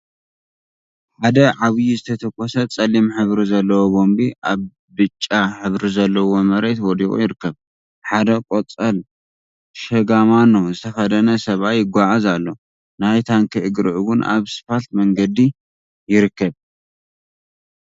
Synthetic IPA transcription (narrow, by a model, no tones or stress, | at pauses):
ħad̪ɐʕaβjizɨt̪ʰɐt̪ʰɐkʼːɔsɐt͡sʼɐlimħɨβɾizɐlːɐwobo̞mbiʔaβː | ɨt͡ʃʼːaħɨβɾizɐlːɐwo̞mɐɾe̞t̪wɔd̪ikʼo̰jɪɾɨkːɐβ | ħad̪ɐkʼot͡sʼɐl | ʃɐɡamanozɨt̪ʰɐfɐd̪ɐnɐsɐβajɪɡʷaʕazalːo̞ | najt̪ʰaŋkʰɐʔɨɡɾɨʔuwʊnʔa̰βsɨ̥falt̪mɐŋɡɐd̪i | jɪɾɨkːɐβ